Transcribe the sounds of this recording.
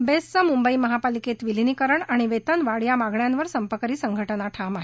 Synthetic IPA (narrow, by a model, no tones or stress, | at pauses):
best͡səmumbəiməɦapaliket̪ʋilinikəɾəɳaɽ̃iʋet̪ənʋaɽjamaɡɳjanʋəɾsəmpəkəɾiːsəŋɡʱəʈənaʈʰamaɦe